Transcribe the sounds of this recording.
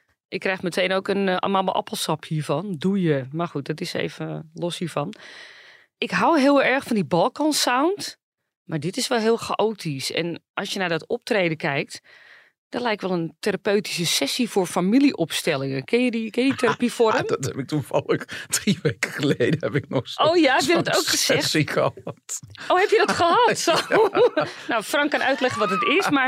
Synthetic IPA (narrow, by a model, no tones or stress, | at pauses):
ʔɪkːrɛjxmətʰejnoːkən̰mamə̰ʔɑ̰pəlˠsɑphiːəɹfɔndujəmarxut̚dɔtɪsḛːvəlɔshiːɹfɑn | ʔɪkɦawɦɪəlˠɛɹxfɔndibɑlˠkɔ̃nsawnt | maɹdɪtɪsʋɛlˠɦɪːlˠxaʔoːtʰisɛ̰nʔɑsjənaːdɔtɔp̚trejdəkɛjk̚t | d̥ɔtlɛjk̚tʋɛlˠənteɾapøɥti̥s̬əsɛsifoːrfamiliʔɔpstɛlˠɪŋəkɪnjədikɪnjəditʰeɾapifoɾəmdtɛpɪk̚tufɑ̰lˠəxd̥riʋeːkəxəlejdəɛpɪk̚nɔχsowjaɛpjəddɔtowkχəsɛxsixəɑtowhɛpjədɔtxəɦɑtso | nowfrɑŋkːɔnœɥtlɛχənʋɔtətɪsmar